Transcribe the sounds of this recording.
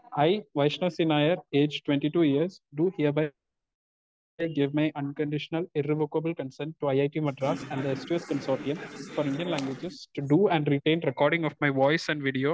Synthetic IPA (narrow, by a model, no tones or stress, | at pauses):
ʔaɪʋaɪʃnəsinaɪəɾeːd͡ʒʈwɛ̃ɳʈiʈuːjiəɾsɖuːhiəɾbaɪ | ɡɪʋmaɪʔʌ̃nkə̃ɳɖɪʃənəlɪɾeʋoːkəbəlkə̃nsɛ̃ɳʈːuaɪaɪʈiːmɐɖɾaːsæ̃ɳɖd̪əesʈueskə̃nsɔːɾʈiə̃nfɔːɾɪ̃ɳɖijə̃nlæ̃ŋɡʋɪd͡ʒɪzʈuɖuːæ̃ɳɖɾiʈẽːnɾɛkɔːɾɖɪ̃ŋɔfmaɪʋɔɪsæ̃ɳɖʋiɖioː